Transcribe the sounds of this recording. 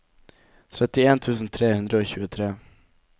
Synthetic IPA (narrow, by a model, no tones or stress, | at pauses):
t̪ʰɾɛt̪ːɪeːnt̪ʰʉ̟ːs̬ənt̪ʰɾeːhɵnd̪ɾaoɕʉ̟ːɡəʊt̪ʰɾeː